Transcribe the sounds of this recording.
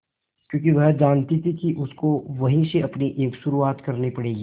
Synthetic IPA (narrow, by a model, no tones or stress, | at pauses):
kjõːkiʋɐɦd͡ʒaːnt̪it̪ʰikiʔʊskoʋɐɦĩseɐpniʔeːkʃʊɾuaːt̪kɐɾnipɐɽeːɡiː